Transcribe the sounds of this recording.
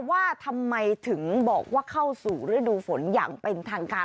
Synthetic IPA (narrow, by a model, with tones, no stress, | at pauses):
waː˥˩t̪ʰa˧mːa˧jt̪ʰɯ˩˦ŋbɔ̰ː˨˩k̚waː˥˩kʰa˥˩wsuː˨˩ɾɯː˩˦˥duː˧fo˩˦nja̰ː˨˩ŋpe˧nt̪ʰaː˧ŋkaː˧